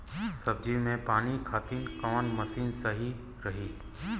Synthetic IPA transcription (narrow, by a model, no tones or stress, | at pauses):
səb̚d͡ʒimẽpaːnikʰaːt̪inkəʋənməsiːnsəɦi | ɾəɦiː